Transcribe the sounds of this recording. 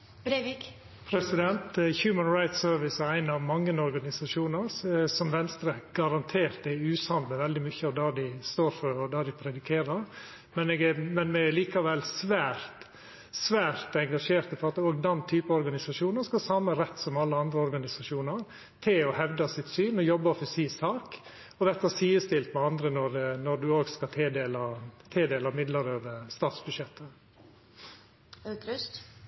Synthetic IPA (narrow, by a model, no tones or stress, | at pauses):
bɾeʋik | pʰɾɛsɪd̪ɛnt̪çjʉːmənɾɑɪt̪søːɾʋɪsəæɪnɑʋmɑŋːənɔɾɡɑnɪsɑʂuːnəɾsɔmʋɛnst̪ɾəɡ̥ɑɾɑnt̪ʰeːɾt̪æʉːshɑnd̪məʋɛld̪ɪmʏçəɔd̪æd̪ɪst̪oːɾfɔɾɔd̪ɑd̪ɪpʰɾɛd̪ɪkʰeːɾəɾ | mɛnɛːɡɛmɛnmɛliːkɑʋɛlsʋæːɾt̪ | sʋæːɾt̪ɛŋɡɑʂeːɾt̪əfɔɾɑt̪oːɡd̪ɛnt̪ʰyːpəɔɾɡɑnɪsɑʂuːnəskɑsɑməɾɛt̪ːsɔmɑlːəɑnd̪ɾəɔɾɡɑnɪsɑʂuːnɑɾ | t̪ʰɪlɔhɛʋd̪ɑsɪt̪syːnɔjɔbːɑfɔsiːsɑːk | ɔʋɛt̪ɑsiːəst̪ɪlt̪mɛɑnd̪ɾənɔɾnɔd̪ʉoːɡskɑt̪ʰeːd̪eːlɑt̪ʰeːd̪eːlɑmɪd̪lɑɾøːʋəst̪ɑːt̪sbʉd̪ʂjɛt̪ːə | kɾʉst̪